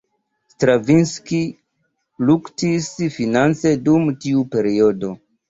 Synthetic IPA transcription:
stɾavinski | luktisfinant͡se̞dumtiupe̞ɾio̞do̞

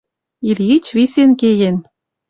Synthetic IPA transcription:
iljit͡ɕβisenkejen

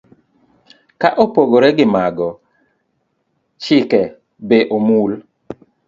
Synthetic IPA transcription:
kaʔopoɡoɾɛɡɪmaɡɔ | t͡ʃɪkɛ | beʔomul

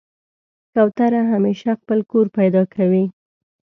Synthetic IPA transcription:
kawt̪aɾaɦameʃaxpəlkoɾpajd̪ɑkʰawi

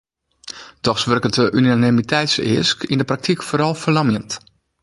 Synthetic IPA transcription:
d̥ɔxsʋørkətəʔynanɪmitʰɛjtsɪ̰əskindəprak̚tʰikfoːɾɔlˠfəlɑmjənt

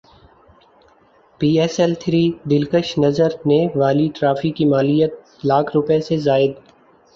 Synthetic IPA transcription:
piːɛsɛlt̪ʰɾiːd̪ɪlkəʃnɐzəɾneʋaːliʈɾaːfikimaːlijət̪̚ | laːkʰɾʊpesezaːɪd̪

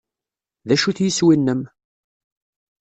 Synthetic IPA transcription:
ðæʃuθjəswinːəm

